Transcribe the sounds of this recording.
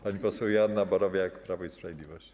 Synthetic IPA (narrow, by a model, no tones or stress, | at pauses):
paɲipɔswɛwjad̪nabɔɾɔvjakpɾavɔispɾavjed̪lʲivɔɕt͡ɕ